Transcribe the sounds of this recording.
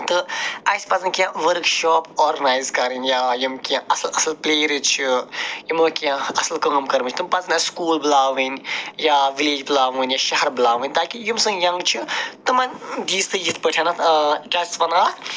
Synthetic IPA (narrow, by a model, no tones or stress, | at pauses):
t̪ɨɐsʲpɐzɨnkʲjãʋəɾkʃɔːpɔːɾnaːjzkɐɾɨnʲjaːjimkjãɐslɐslpleːɾit͡ʃʰijimɨkjãɐslkɐŋmkɐɾʋɨt͡ʃʰt̪ɨmpɐznʲɐskuːlbɨlaːʋɨnʲjaːʋileːd͡ʒbɨlaːʋɨnʲjaʃɐɦɐɾbɨlaːʋɨnʲt̪aːkijimsɨŋjɐ̃ŋɡt͡ʃʰit̪ɨmɐnd̪iːst̪ɨjit̪̚ʰpəʈʰʲanaɖɐsʋɐnaːt̪